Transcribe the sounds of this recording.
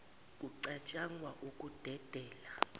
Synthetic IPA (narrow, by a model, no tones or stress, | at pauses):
kʼuǀat͡ʃʼaŋwaʔukʼud̥ʱɛd̥ʱɛːla